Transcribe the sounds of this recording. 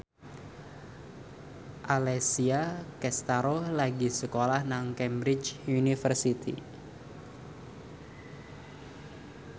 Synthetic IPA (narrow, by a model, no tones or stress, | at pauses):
ʔalɛsiakɛst̪aɾolaɡisəkolahnaŋkɛmbɾɪt͡ʃunifərsit̪ʰḭ